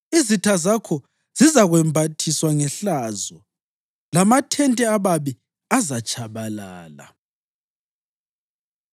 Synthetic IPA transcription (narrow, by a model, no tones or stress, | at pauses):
izitʰazakʰɔ | z̥izaɣwɛmbʱatʰiswaŋɛɬazɔ | lamatʰɛntʼɛaβaβi | azat͡ʃʼʰaβalaːla̰